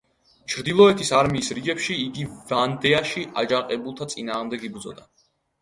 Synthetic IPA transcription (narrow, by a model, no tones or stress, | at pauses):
t͡ʃʰɾd̪ilˠɔɛt̪ʰisaɾmiːsɾiɡɛpʃiːɡivand̪ɛaʃiʔad͡ʒaqʼɛbulˠt̪ʰat̪sʼinaːʁmd̪ɛɡibd̪zɔ̰d̪a